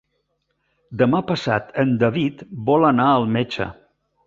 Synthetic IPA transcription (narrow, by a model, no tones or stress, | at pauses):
d̪əmapəsa̰t̪ənd̪əβit̪bɔlənaəlˠmet͡ʃə̰